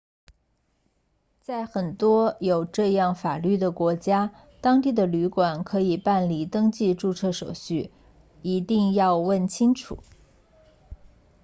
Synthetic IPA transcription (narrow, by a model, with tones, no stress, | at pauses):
t͡sa˥˩ɪxə˨˩nt̪wɔ˥jo˨˩ʊʈ͡ʂɤ˥˧jɑ˥˩ŋfa˨˩ly˥˩d̪ə˩kwɔ˧˥t͡ɕja˥ | t̪ɑ˥ŋt̪i˥˩d̪ə˩ly˧˥kwa˨˩nkʰɤ˧˥i˨˩pa˥˩nli˨˩t̪ɤ˥ŋt͡ɕi˥˧ʈ͡ʂu˥˧t͡sʰɤ˥˩ʂo˨˩ʊɕy˥˩ | i˧˥t̪i˥˧ŋjɑ˥˧ʊwə˥˩nt͡ɕʰi˥ŋʈ͡ʂʰṵ˨˩˦